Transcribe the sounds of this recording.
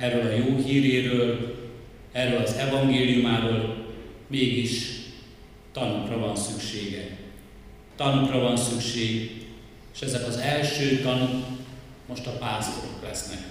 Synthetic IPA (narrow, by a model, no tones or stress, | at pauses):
ɛrːøːlɒjoːɦiːɾeːɾøːl | ɛrøːlɒzɛvɒŋɡeːlijumaːɾoːl | meːɡiʃ | t̪ɒnukrɒvɒnsykʃeːɡɛk | t̪ɒnukrɒvɒnsykʃeːɡ | eːʃɛzɛkɒzɛlʃøːt̪ɒnuk | mo̞ʃt̪ɒpaːzo̰ɾo̞̰klɛsnɛ̰k